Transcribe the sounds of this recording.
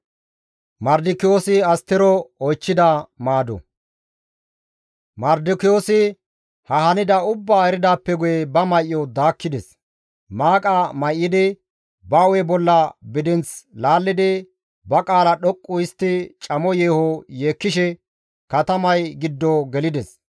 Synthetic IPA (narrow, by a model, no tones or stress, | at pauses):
mɐɾd̪ɪkɪjo̞ːsɪɐst̪ːɪɾɔɔjt͡ʃːɪd̪ɐmaːd̪ɔ̰ | mɐɾd̪ɪkɪjo̞ːsɪ | hɐhɐnɪd̪ɐʊbːaːɛɾɪd̪aːpːɛɡʊjɛbɐmɐjʔːɔd̪aːkːɪd̪ɛs | maːkʼamɐjʔːɪd̪ɪ | bɐwɛbɔlːɐbɪd̪ɪnt͡slaːlːɪd̪ɪ | bɐkʼaːlɐɗɔkʼːʊɪst̪ːɪt͡ʃʼɐmɔjeːhɔje̞ːkːɪʃɛ | kɐt̪ɐmɐjɡɪd̪ːɔɡɛlɪd̪ɛs